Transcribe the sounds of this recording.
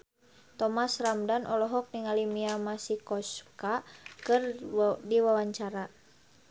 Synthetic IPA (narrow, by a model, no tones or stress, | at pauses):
t̪ɔmasramdanʔɔlɔɦɔk̚niŋalimiamasikɔskakɨrdiwawaɲt͡ʃaɾa